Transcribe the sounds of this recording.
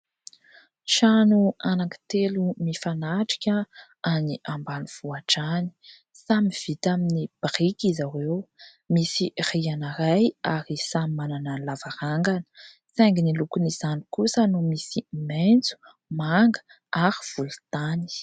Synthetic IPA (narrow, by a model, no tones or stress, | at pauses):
ʃanuanaki̥t̪elumifanaʈ͡ʂi̥kʲa | aniʔambanuv̥uaʈ͡ʂani̥ | samiv̥it̪aminib̥rikizawew | misirianaɾajaɾisamimananalavaɾaŋɡanə̥ | t͡seŋɡinilukuniz̥anikusənumisiment͡su̥ | maŋɡə̥ | aɾiv̥ult̪ani̥